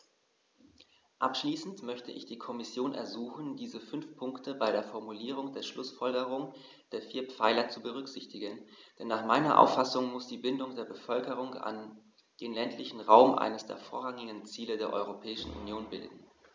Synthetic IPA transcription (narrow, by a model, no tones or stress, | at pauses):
ʔapʃliːsn̩tmœçtəʔɪ̰çd̥iːkʰɔmɪsjoːnʔɛ̰ɐzuːxn̩diːzəfʏnfpʰʊŋktʰəbaɪɾeːɐfɔɐmuliːʁ̞ʊŋdeːɐʃlʊsfɔlɡəʁ̞ʊŋ | d̥eːɐfiːɐpp͡faɪlɐt͡subəʁ̞ʏkz̥ɪçtɪɡənd̥ɛnːaːχmaɪnɐ̰ʔa̰ʊfasʊŋmʊsd̥iːbɪndʊŋdeːɐbəfœlkəʁ̞ʊŋa̰n | d̥eːnlɛntʰlɪçn̩ʁa̰ʊmʔa̰ɪnəsd̥ḛːɐfoːɐʁaŋɪɡən̩t͡siːlədeːɐʔɔ̰ʏʁopʰɛːɪʃn̩ʔṵnjoːnbɪldn̩